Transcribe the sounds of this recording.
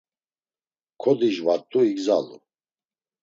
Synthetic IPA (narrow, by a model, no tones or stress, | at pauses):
kʰɔd̪iʒvaɾt̪ʼuiɡzalṵ